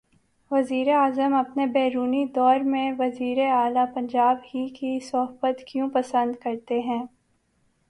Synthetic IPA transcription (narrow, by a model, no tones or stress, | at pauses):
ʋɐziːɾeaːzəmɐpnebɛːɾuːnid̪ɔːɾmẽʋɐziːɾeaːlapɐ̃ɲd͡ʒaːbhikisɐɦbət̪kjũpɐsə̃nd̪kɐɾt̪eɦɛ̃ː